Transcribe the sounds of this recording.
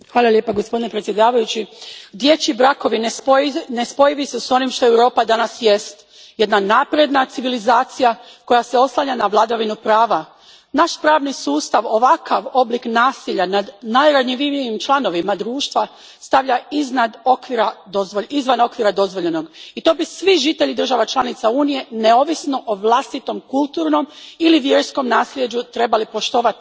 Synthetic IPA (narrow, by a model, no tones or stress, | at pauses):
xʋaːlˠalje̞ːpaɡo̞spo̞d̪ine̞pɾet̪sjed̪aːʋajut͡ɕid̪je̞t͡ɕibɾako̞ʋinne̞spo̞jiʋiseso̞nimʃt̪ojewɾo̞ːpad̪anasje̞st̪ | je̞d̪nanapɾje̞d̪nat̪siʋilizaːt̪sijako̞jase̞o̞slˠaɲanaʋlˠad̪aʋinupɾaːʋa | naʃpɾaːʋnisuːst̪aʋo̞ʋakʰaʋo̞bliknaːsiʎanad̪najɾaɲiʋiʋijimt͡ʃlˠano̞ʋimad̪ɾuːʃt̪ʋa | st̪aʋʎaiznad̪okʋiɾad̪ozoizʋano̞kʋiɾad̪o̞zʋo̞ʎeno̞ɡit̪o̞ːbisʋiʒit̪eʎid̪r̩ʒaʋat͡ʃlˠanit̪sauːnije̞neo̞ːʋisno̞ʔoʋlˠast̪it̪o̞mkulˠt̪uːɾno̞miliʋje̞ɾsko̞mnaːslʲje̞d͡ʑut̪ɾe̞balipo̞ʃt̪o̞ʋat̪i̥